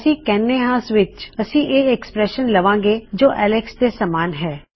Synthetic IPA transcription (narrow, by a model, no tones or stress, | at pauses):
sĩːkɛːnːeːɦaːsʋɪt͡ʃəsĩːʔeːɛkspɾɛːʃənləʋãːɡeːd͡ʒoːʔɛːlɛksd̪eːsəmaːnɦɛː